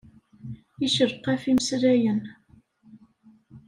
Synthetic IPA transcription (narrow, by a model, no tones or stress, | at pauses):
iʃəɾqːæfiməsɾæjən